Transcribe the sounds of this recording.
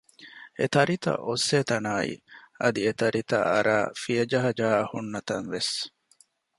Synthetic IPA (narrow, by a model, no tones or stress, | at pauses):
ḛt̪ɐɾit̪ɐ̰ʔosːeːt̪ɐnaːḭɐd̪iet̪ɐɾit̪ɐ̰ɐ̰ɾaːfijɐd͡ʒɐɦɐd͡ʒaːhunːɐt̪ɐnʋes